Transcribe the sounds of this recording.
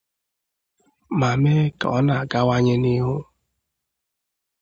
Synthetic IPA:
ma˨me˦ka˨ɔ̰˦na˨a˨ɡa˦wa˦ɲɪ˦ni˦ɦʊ˦

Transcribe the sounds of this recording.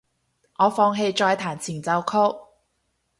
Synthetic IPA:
ŋɔː˨˧fɔː˧ŋɦe˧jt͡ʃɔː˧jt̪ʰaː˨˩nt͡sʰiː˨˩nt͡sɐ˨˧wkʰʊ˥k̚

